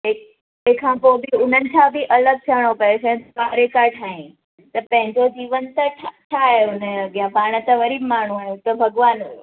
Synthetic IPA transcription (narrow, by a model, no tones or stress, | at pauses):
ek | ekʰãpobiʊnənt͡ʃʰabiʔələɡ̚t͡ʃʰəɽ̃opəet͡ʃʰẽt̪baɾekaʈʰaĩ | t̪ɐpə̃ɦɪ̃ɲd͡ʒod͡ʒiːʋənt̪əʈʰʈʰauneəɡjãbaːɽ̃ət̪əʋəɾiːbmaːɳ̤̃ũaɦjũt̪əbʱəɡʋaːn